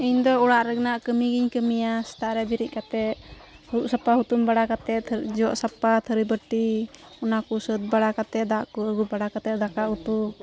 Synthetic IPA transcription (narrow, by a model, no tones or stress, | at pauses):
iɲd̪ɔɔɽaʔɾɛɡnaʔkəmiɡiɲkəmijast̪ʰaɾɛbiɾic̚ˀkat̪ɛʔ̚ | huuʔsapaɦut̪umbaɽakat̪ɛd͡ʒɔʔsapat̪ʰəɾibəʈiɔnakɔsət̪̚baɽakat̪ɛd̪aʔkɔəɡubaɽakat̪ɛd̪akaʔhut̪u